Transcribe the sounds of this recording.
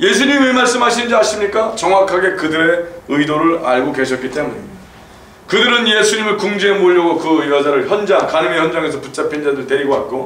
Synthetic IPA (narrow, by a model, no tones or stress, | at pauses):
je̞sʰuɲimemaɭs͈ɯmɦaɕʰinɯnd͡ʑiaɕʰimɲik͈at͡ɕʌŋwakʰaɡe̞kɯdɯɾe̞ɯidoɾɯɾa̰ɭɡoke̞ɕʰʌt̚k͈it͈e̞muɲe | kɯdɯɾɯnje̞sʰuɲimɯɭkuŋd͡ʑemoʎːʌɡokɯɯjʌd͡ʑaɾɯɭçjʌnd͡ʑaŋkanimeçjʌnd͡ʑaŋe̞s̬ʰʌput͡ɕ͈apʰind͡ʑadɯɭte̞ɾiɡoat̚k͈o